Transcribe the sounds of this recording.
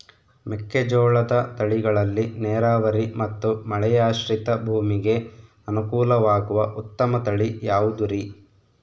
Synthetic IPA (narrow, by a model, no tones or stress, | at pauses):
mɛkːed͡ʒoːɭɐd̪ɐt̪ɐɭiɡɐɭɐlːinɛːɾaːʋɐɾimɐt̪ːumɐɭɛjaːʃɾit̪ɐbʱuːmiɡe̞ | ɐnukuːlɐʋaːɡuʋɐʔut̪ːɐmɐt̪ɐɭijaːʋud̪uɾi